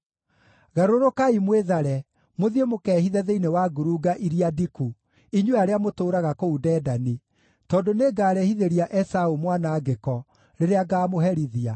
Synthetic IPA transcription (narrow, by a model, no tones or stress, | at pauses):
ɣaɾoɾokaimweðaɾɛ | moðiemokɛːhiðɛðeinewaɡuɾuɡaʔiɾiadiku | iɲweaɾeamotoːɾaɣakoudɛːdani | tɔːdoneːɡaːɾɛhiðeɾiaʔɛsaumwanaːɡekɔ | ɾeɾeaɡaːmoɦɛɾiðia